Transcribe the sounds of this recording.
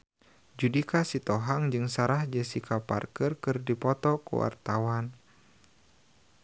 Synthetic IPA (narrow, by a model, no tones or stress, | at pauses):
d͡ʒudikasit̪ɔɦaŋd͡ʒɨŋsaɾahd͡ʒɛsikʰapa̰rkərkɨrdipɔt̪ɔkṵwa̰rt̪awan